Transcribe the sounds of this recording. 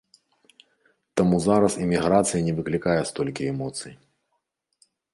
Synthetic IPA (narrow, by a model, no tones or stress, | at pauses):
t̪amuzaɾɐsimʲiɣɾat̪sɨjɐnʲɛvɨklʲikajɛst̪ɔlʲkʲiɛmɔt̪sɨj